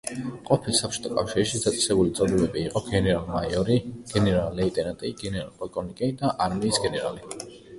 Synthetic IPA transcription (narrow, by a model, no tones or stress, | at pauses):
qʼɔpʰilsapʰt͡ʃʰɔ̥t̪ʼʰɔkʼafʃiɾʃid̪at̪sʼɛ̥sɛbulit̪sʼɔd̪ɛbɛbiːqʼɔɡɛnɛɾalˠmajɔɾiɡ̥ɛnɛɾallɛit̪ʼɛnat̪ʼiɡɛnɛɾa̰lˠpʼɔlkʼɔnikʼid̪aʔaɾmiːsɡɛnɛɾa̰li